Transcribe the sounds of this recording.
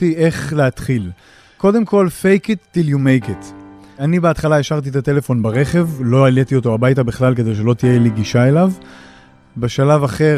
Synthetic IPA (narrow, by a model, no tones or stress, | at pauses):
iʔe̞χleat̪χil | ko̞d̪e̞mko̞lfejket̪ːiljumejket̪ | anibeat̪χalaeʃaʁt̪̬it̪at̪e̞le̞fo̞nbaʁe̞χe̞vlo̞alet̪io̞to̞abajtabiχlalke̞d̪e̞jʃ̬e̞lo̞t̪ijeliɡiʃae̞lav | be̞ʃalavaχe̞